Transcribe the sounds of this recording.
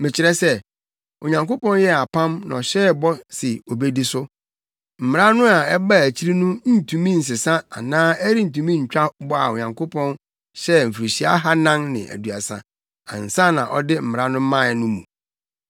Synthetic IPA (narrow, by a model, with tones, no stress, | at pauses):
mɪ̃˨t͡ɕʰɪ˨ɾɛ˦sɛ˦ | o̰˨ɲã˨ŋko˦pɔ̃˦n˦jɛ˦a˨pʰã˦mnã̰˨ɔ˨ɕɛ˦bɔ˦sɪ˨o˨be˦di˦sʊ˦ | m̩˨mɪ˨ɾa˦nʊ̃˦a˨ɛ˦ba˦˨æ˨t͡ɕʰi˦ɾi˦nũ˦n̩˦˨tʰũ˨mĩ˦n̩˨s̬ɪ˨sã˦a̰˨nãː˦æ˦ɾi˦n̩˨tũ˨mĩ˦ɲ̩˨t͡ɕᶣa˦bɔ˦a̰˨o˨ɲã˨ŋkʰo˦pʰɔ̃˦n | ɕɛ˦m̩˨fɾi˨ɕi˨˦a̰˦ɦa˦nã˦ŋnɪ̰̃˨ʔæ̰˨du˨a˨sã̰˨ | ã̰˨n̩˨sã˦nã̰˨ʔɔ˦dɪ˦m̩˨mɪ˨ɾa˦nʊ̃˦mã˦˨˦nʊ̃˦mũ˨